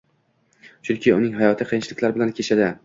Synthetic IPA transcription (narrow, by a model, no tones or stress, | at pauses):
t͡ʃʰʊnkʲɪʊnɪŋɦajɒt̪ʰɪqʰɨjɪnt͡ʃʰɪlɪkʲlaɾbɪlankʲʰeʃʰad̪ɪ